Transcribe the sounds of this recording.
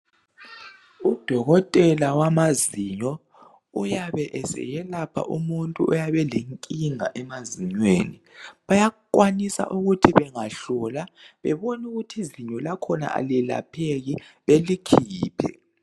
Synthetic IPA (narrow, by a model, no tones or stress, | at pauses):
ud̥ʱɔɣɔtʼɛlawamaziɲɔ | ujaβɛʔɛsɛ̰jɛlapʰa̰ʔumuntʼuʔɔjaβɛleŋkʼiŋa̰ʔɛmaziɲweːnḭβajakʼwanisa̰ʔuɣutʰiβɛŋaɬɔlaβɛ̰βonuɣutʰiziɲɔlakʰɔna̰ʔa̰lila̰pʰeɣi | βelikʰiːpʰɛ̰